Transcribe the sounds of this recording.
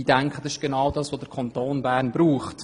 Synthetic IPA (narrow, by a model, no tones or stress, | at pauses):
iːdɛŋkʰχəd̥ɑsɪʃɡ̥enɑwdɑːsʋodəɾkʰɑntoːnbæːɾnbɾuːχt